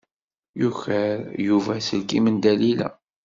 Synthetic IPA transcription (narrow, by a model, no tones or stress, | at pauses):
juçəɾjuvæsəlkimənd̪ælilæ̰